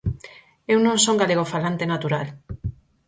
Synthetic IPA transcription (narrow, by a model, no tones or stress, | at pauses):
ewnõŋsoŋɡaleɣ̞ofalant̪enat̪uɾal